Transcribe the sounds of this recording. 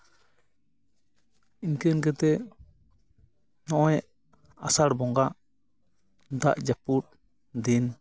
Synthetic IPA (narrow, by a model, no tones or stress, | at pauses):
inkənɡɛt̪ɛʔ | nɔʔɔɛʔ | asaɽbɔŋɡaʔ | d̪aʔd͡ʒaput̚ | d̪in